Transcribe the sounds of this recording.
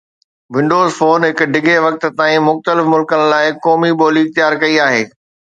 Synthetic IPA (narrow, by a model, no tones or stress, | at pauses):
ʋɪ̃ɳɖoːzfoːnɦɪkɖɪɡʱeʋɐk̚t̪̆t̪aːĩmʊxt̪əlɪfmʊlkənɪ̆laːɪkɔːmiɓoːliɪxt̪ɪjaːɾkɐiaːɦeː